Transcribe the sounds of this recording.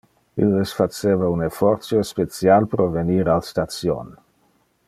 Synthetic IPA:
ḭlesfat͡ʃeːvaunefɔrt̪sjospet͡sjalpɾoveniːɾalst̪at̪t͡sjo̰n

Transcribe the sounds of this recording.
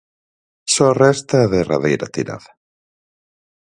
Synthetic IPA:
sɔrɛst̪aːðera̰ðejɾɐ̰t̪iɾa̰ðɐ

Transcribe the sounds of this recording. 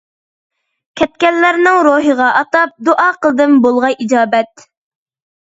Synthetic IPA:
kʲʰɛt̪̚kʲɛlːæɾnɪŋɾoɦəʁɑʔɑt̪ɑp̚d̪oʔɑːqəlˠɨd̪ɨmbolˠʁɑjʔid͡ʒɑːbɛt̪̚

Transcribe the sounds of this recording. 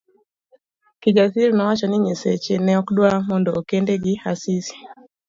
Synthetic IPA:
kiɡasiɾnawat͡ʃaniɲɛsɛt͡ʃɛnɛɔkdwamɔndɔːkɛndɛɡihasisi̥

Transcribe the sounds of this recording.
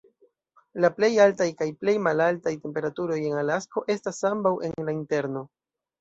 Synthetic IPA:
laple̞jaltajkajple̞jmalaltajte̞mpe̞ɾatuɾo̞je̞ŋalasko̞ʔe̞stasambawe̞̰nlainte̞ɾno̞

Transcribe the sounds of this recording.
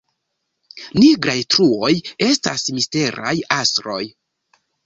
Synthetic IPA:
niɡɾajtɾuo̞je̞stasmiste̞ɾʔa̰jastɾo̞j

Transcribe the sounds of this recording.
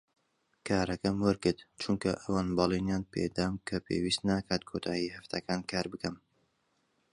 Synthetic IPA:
kʰaːɾɐkɐmwɐɾkɨɾt̪t͡ʃʰʊŋkɐʔɐwaːnbɑːlˠinjaːnpʰḛd̪aːmkʰɐpʰḛwiːst̪naːkʰaːt̪̚kʰoːt̪ʰaːjihɐft̪ʰɐkaːnkʰaːɾbɨkɐm

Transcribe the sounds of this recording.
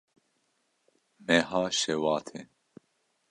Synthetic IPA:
mɛɦɑːʃɛwɑːt̪ʰe

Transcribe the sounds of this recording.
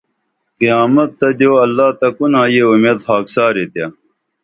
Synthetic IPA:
qijaːmɐt̪ːɐd̪joːɐlːaːt̪ɐkunaːjeumeːd̪haːksaːɾet̪ja

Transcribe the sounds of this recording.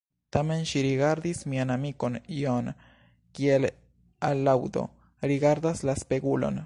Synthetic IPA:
t̪ame̞nʃiɾiɡaɾd̪ismianamiko̞nion | kiel | alːawd̪o̞̰ | ɾiɡaɾd̪aslaspeɡulo̞̰n

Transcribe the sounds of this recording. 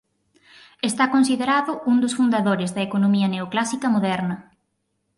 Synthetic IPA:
est̪akõnsiðeɾaðʊund̪ʊsfund̪aðoɾɪzðɐekonomiɐneoklasikɐmoðɛɾnɐ

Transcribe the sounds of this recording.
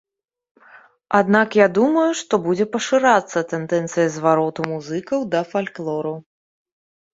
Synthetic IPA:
ad̪nakjad̪umɐjuʂt̪ɔbud͡zʲɛpɐʂɨɾat̪sːɐt̪ɛnd̪ɛnt̪sɨjɐzvaɾɔt̪umuzɨkɐwd̪ɐfalʲklˠɔɾɐw

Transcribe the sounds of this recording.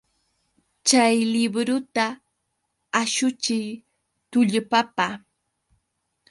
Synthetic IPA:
t͡ʃajlɪbɾʊt̪a | aʃʊt͡ʃɪj | t̪ʊʎʊpapaː

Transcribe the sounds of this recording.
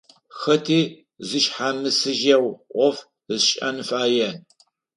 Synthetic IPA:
xɐtʰiː | zɨʃħaːmɨsɨʒɐwʔʷɔf | ɨzɕʼɐ̰nɨfaːjɐn

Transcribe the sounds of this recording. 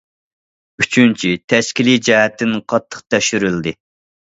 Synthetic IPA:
yt͡ʃʰynt͡ʃʰit̪ʰɛʃkʲilijd͡ʒɛɦɛt̪ʰːɪnqʰɑt̪ʰːə̥qt̪ʰɛʃyɾyld̪ɪ

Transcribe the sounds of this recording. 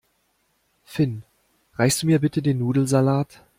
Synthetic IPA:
fɪn | ʁaɪstd̥uːmiːɐbɪtədeːnːuːdl̩zalaːt

